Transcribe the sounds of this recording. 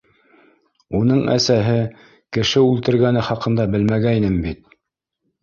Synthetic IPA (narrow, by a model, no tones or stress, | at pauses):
unɤɴæ̰sæɦɘ | kɘ̆ʃɘʉlt̪ɘ̆ɾɡænɘχɑqɤ̆nd̪ɑbɘlmæɡæinɘmbit̪